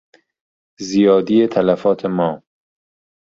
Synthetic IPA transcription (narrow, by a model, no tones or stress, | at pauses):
zijɒːd̪ijet̪ʰælæfɒːt̪ʰemɒː